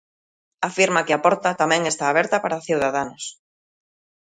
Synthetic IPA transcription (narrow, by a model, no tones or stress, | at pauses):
afiɾmakɪapɔɾt̪at̪amɛ̃ŋest̪aːβ̞ɛɾt̪apaɾaθiwðaðanʊs